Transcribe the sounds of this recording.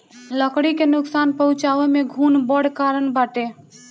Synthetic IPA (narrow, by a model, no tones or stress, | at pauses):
ləkɽikenʊksaːnpəɦʊ̃t͡ʃaːʋemẽɡʱuːnbəɽkaːɾənbaːʈe